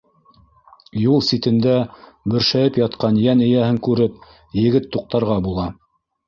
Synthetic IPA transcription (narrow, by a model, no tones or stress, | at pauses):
julˠsit̪ɘ̆nd̪æ | bɵ̆ɾʃæjɘpjɑt̪qɑnjænɘ̆jæhɘŋkʉɾɘp̚ | jɘ̆ɡɘt̪ːuq̚t̪ɑɾʁɑbulˠɑ